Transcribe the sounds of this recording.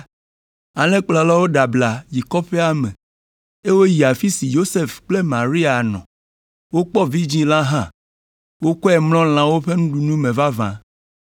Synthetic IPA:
a˨lẽ˦k͡plɔ˨la˦wo˦ɖa˨bla˨ji˨kɔ˦ɸe˦a˦mɛ̃˨ | e˦wo˦ji˨a˨fi˦si˨jo˦se˦fk͡ple˦mã˨ɾi˦a˨nɔ̰̃˨ | wo˦k͡pɔ˦vi˦d͡ʑĩ˦la˦ɦã˦˨ | wo˦kɔ˦ɛ˨mlɔ̃˦l̃ã˨wo˦ɸe˦nũ˦ɖu˨nũ˦mẽ˨va˦vã̰˨

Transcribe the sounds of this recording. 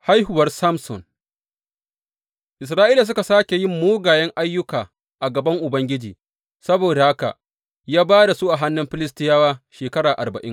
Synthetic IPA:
ha˦jɦʊ˨wɐ˦rsa˦msɔ̰˨n | ʔɪ˨s̬ɾaː˦ʔiː˦la˨s̬ʊ˦ka˨saː˦kʲe˨jɪ˦mːoː˦ɡaː˨jɛ˦ŋʔa˦jːʊ˦kaː˨ | ʔa˨ɡɐ˨bɐ˦ŋʔʊ˨bɐ˦ŋɡʲɪ˦d͡ʒiː˨ | sɐ˦boː˨da˨ha˦ka̰˨ | jaː˦baː˦da˨su˦ʔa˨ɦa˦nːʊ˦mɸɪ˦lɪ˦stɪ˦jaː˦waː˦ʃeː˨kɐ˦ɽaː˨ʔa̰˨rbɐ˨ʔɪ˦ŋ

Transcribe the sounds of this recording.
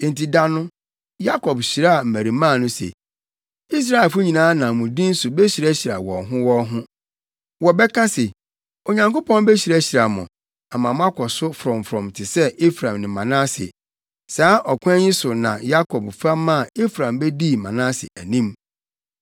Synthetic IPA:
n̩˨ti˨da˦nʊ̃˦ | ja˦kʰɔ˨bɕi˨ɾa˦a˨m̩˨mæ˨ɾi˨˦mãː˦˨nʊ̃˦sḛ˨ | i˦s̬ɾa˨e˨fʊ˦ɲĩ˨nãː˦nã˨mʊ̃˨dĩ˦n̩˦sʊ˨bɛ˦ɕi˨ɾæ˦ɕi˨ɾa̰˨wɔ̰˨ɦʊ̃˦wɔ˦ɦʊ̃˦ | wɔ˨bɛ˦kʰã˦se˨ | o˨ɲã˨ŋko˦pʰɔ̃˦n˦bɛ˦ɕi˨ɾæ˦ɕi˨ɾa˨mʊ̰̃˨ | a˨mã˨mʊ̃˦a˦kʰɔ˨sʊ˦fɾɔ̃˨mfɾɔ̃˨mtʰɪ˨sɛ˦ʔe˦fɾã˨mnɪ̃˨mã̰˨nã˦sɪ̰˨ | saː˨˦ʔɔ˨kʰʊ̃˦ɛ˦ɲɪ̃˦sʊ˨nã̰˨ja˦kʰɔ˨bfaː˦ã˦˨e˦fɾã˨mbɛ˦di˦mã̰˨nã˦sɪ̰˨ʔæ˨nĩ˦m

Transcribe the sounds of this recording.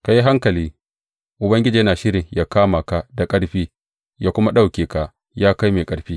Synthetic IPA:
ka˨ji˦ɦa˦ŋkɐ˨liː˦ | ʔʊ˨bɐ˦ŋɡʲɪ˦d͡ʒi˨jɐ˦naː˨ʃɪ˦ɾɪ˨ŋjaː˦kaː˦ma˨ka˨da˨kʼɐ˦ɽɸiː˦ | jaː˦kʷʊ˦ma˦ɗa˦wkʲeː˨ka˨ʔ | jaː˦ka˦jmeː˨kʼɐ˨ɽɸiː˦

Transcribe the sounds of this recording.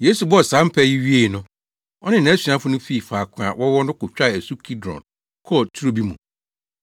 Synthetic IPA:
je˦su˨bɔ˦ɔ˨sã˨˦m̩˦pʰɛ˦ji˦ɥi˦e˨nʊ̃˦ | ɔ˦nɪ̃˦n˨ã˨˦sɥã˦fʊ˦nʊ̃˦fi˦˨faː˨kʰʊ̃˨a̰˨wʔɔ˦wɔ˦nʊ̃˦kʊ˨t͡ɕᶣa˦˨æ˨su˦kʰi˦dɾɔ̰̃˨n | kʰɔ˦ɔ˨tʰu˦ɾo˦bi˦mṵ̃˨

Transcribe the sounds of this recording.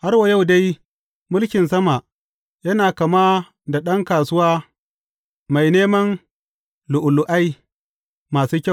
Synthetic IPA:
ha˦rwa˨ja˦˨wda˦j | mʊ˦lkʲɪ˨nsɐ˦ma˨ʔ | jɐ˦naː˨kɐ˨maː˦ | da˨ɗɐ˦ŋkaː˨sʊ˦waː˦ | ma˨jneː˦mɐ˦n | lʊ˨ʔʊ˨lʊ˨ʔa˦j | maː˨suː˦kʲa˦˨

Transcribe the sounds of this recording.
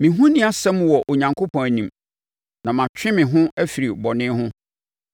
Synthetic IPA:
mɪ̃˨ɦʊ̃˦nĩ˦a˨sɛ̃˦m˨wɔ˨ʔo˨ɲã˨ŋkʰo˦pʰɔ̃˨næ˨nĩ˨m | nã˨mã˨t͡ɕᶣɪ̃˦mɪ̃˨ɦʊ̃˦æ˦fi˨ɾi˨bɔ˨nɪ̃˦ɦʊ̃˦

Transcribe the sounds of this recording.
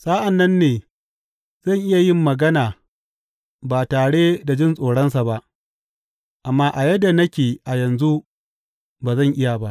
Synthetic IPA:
sa˦ʔa˨nːɐ˦nːeː˨ | z̥ɐ˦˨ŋʔɪ˦ja˨jɪ˦mːɐ˨ɡɐ˦naː˨ | baː˨taː˨ɽe˦da˨d͡ʒɪ˦nsʼoː˨ɽɐ˦ns̬a˨ba˦ʔ | ʔa˨mːaː˦ʔa˨jɐ˦da˨nɐ˦kʲeː˨ʔa˨jɐ˨nzu˦ | baː˨zɐ˦˨ŋʔɪ˦ja˨ba˦ʔ

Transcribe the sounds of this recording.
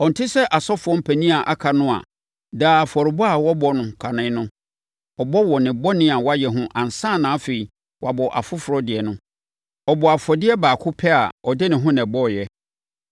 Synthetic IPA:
ɔ˨n̩˨tʰɪ˦sɛ˦ʔa˨sɔ˦fʊ˨ɔ˦m̩˦pʰæ˨nĩ˦a˨ʔa˨kʰa˨nʊ̃˦a̰˨ | daː˦˨fɔ˨ɾɪ˨bɔ˦a˨wɔ˦bɔ˦nʊ̃˨kʰa˨nɪ̃˦nʊ̃˦ | ɔ˨bɔ˦wɔ˨nɪ̃˨bɔ˦nɪ̃˦a˨wɔ˦a˦jɛ˨ɦʊ̃˦ʔã˨n̩˨sãː˦˨nãː˨˦fe˨i˨ | wʔa˨bɔ˨ʔa̰˨fʊ˦fʊ˨ɾɔ˦dɪ˨ɛ˨nʊ̃˦ | ɔ˨bɔ˨a˨fɔ˨dɪ˦ɛ˦baː˨kʰʊ˦pʰɛ˦a̰˨ɔ˨dɪ˦nɪ̃˨ɦʊ̃˦nɛ̃˨bɔ˦˨jɛ˦

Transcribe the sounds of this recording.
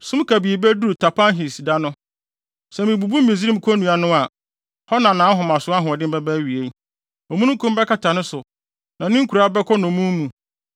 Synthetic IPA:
sʊ̃˦m˦kʰa˨bi˨e˨bɛ˦du˦ɾtʰa˨pʰã˦nɦi˨si˨da˦nʊ̃˦ | sɛ˨mĩ˨bu˨bu˦m˦mĩ˨zi˦ɾĩ˦m̩˦kʰɔ˦nũ˨a˨nʊ̃˦a˨ | hɔ˦nã˨nã˨˦ɦɔ˨mã˨sʊ˨˦a˦ɦʊ̃˨ɔ˨dɪ˦m˦bɛ˦bɛ˦ɥi˨e˦ | ɔ˨mũ˦nʊ̃˦kʰũ˦m˦bɛ˦kʰa˦˨tʰa˨nʊ̃˦sʊ˨ | nã˨nɪ̃˦ŋ˦kʰu˨ɾa˦bɛ˦kʰɔ˦nʊ̃˨mũ˦mũ˨

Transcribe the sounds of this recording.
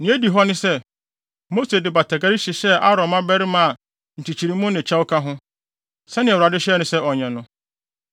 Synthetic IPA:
nɪ̃˨˦e˦di˨ɦɔ˦nɪ̃˦sɛ˦ | mo˦se˨dɪ˨ba˨tʰa˨ɡa˦ɾi˦ɕɪ˨ɕɛ˦a˦ɾɔ̃˨mã˦bɛ˦ɾɪ˦mã˦a˨ | n̩˨t͡ɕʰi˨t͡ɕʰi˨ɾi˦mʊ̃˦nɪ̃˨t͡ɕʰa˦wʊ˦kʰa˦ɦʊ̃˦ | sɛ˦nɪ̃˨ɛ˨wʊ˨ɾa˨dɪ˦ɕɛ˦ɛ˦nʊ̃˨sɛ˦ʔɔ˨ɲɛ̃˨nʊ̃˦

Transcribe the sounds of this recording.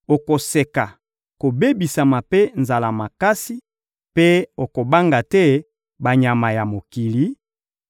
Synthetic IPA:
o˨ko˨se˨ka˨ | ko˨be˦bi˨sa˨ma˨pe˦nza˨la˨ma˨ka˦si˦ | pe˦o˨ko˨ba˦ŋɡa˨tɛ˦ | ba˨ɲa˨ma˨ja˨mo˨ki˨li˦

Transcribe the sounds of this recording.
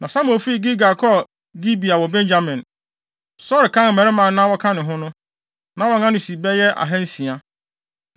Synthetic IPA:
nã˨sa˦m˨õ˨fi˦˨ɡi˦ɡa˨kʰɔ˦˨ | ɡi˦bi˨a˨wɔ˨bɛ̃˦nd͡ʑa˦mɪ̃˨n | sɔ˦ɾɪ˨kʰã˦n˨mɛ̃˨ɾɪ˦mã˨nã˦wɔ˦kʰã˦nʊ̃˨ɦʊ̃˦nʊ̃˦ | nã˨˦wɔ˨ŋã˦nʊ̃˨si˨bɛ˦jɛ˦ʔa̰˨ɦɛ̃˦n̩˦si˨a˨

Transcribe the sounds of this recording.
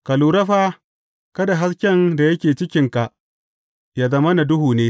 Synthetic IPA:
ka˨luː˨ɾɐ˦ɸaː˦ | kɐ˦da˨ɦa˦skʲɛ˦nda˨jɐ˦kʲeː˨t͡ʃɪ˦kʲɪ˦ŋka˨ʔ | jaː˦zɐ˦mɐ˦na˨dʊ˦ɦuː˨neː˦

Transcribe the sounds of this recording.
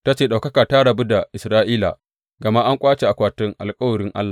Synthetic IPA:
ta˦t͡ʃeː˨ɗa˨wkɐ˦kaː˨ta˦ɽɐ˨bu˦da˨ʔɪ˨sɾaː˦ʔiː˦la̰˨ | ɡɐ˨ma˦ʔa˦ŋkʷʼaː˦t͡ʃe˨ʔa˨kʷaː˨tʊ˦ŋʔa̰˨lkʼɐ˦wɐ˨ɽɪ˦ŋʔa̰˦lːa˨

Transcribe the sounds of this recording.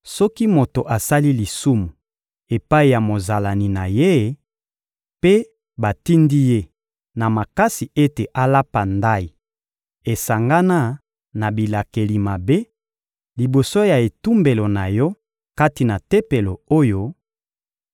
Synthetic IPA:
sɔ˦ki˦mo˨to˨ʔa˨sa˦li˦li˨su˦mu˨ | e˨pa˦i˨ja˨mo˨za˨la˨ni˨na˨je˦˨ | pe˦ | ba˨ti˦ndi˦je˦ | na˨ma˨ka˦si˨e˦te˨ʔa˦la˦pa˨nda˦i˨ | e˨sa˨ŋɡa˦na˦ | na˨bi˨la˨ke˨li˨ma˨be˦ | li˨bo˨so˦ja˨e˨tu˦mbe˨lo˨na˨jɔ˦ | ka˦ti˨na˨te˦pe˨lo˨o˦jo˦

